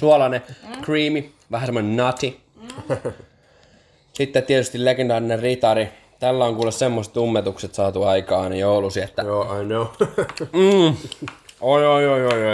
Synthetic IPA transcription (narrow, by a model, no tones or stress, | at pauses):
suolɑnekriːmi | ʋæɦæsemːonenɑt̪i | sit̪ːet̪ːiet̪yst̪illeɡend̪ɑːɾinerrit̪ɑɾi | t̪ælːæoŋkuːlessemːose̥t̪umːet̪ukset̪sɑːt̪uɑikɑːnejoulusiet̪ːæjoajnoʊm̩ː | ojojojojo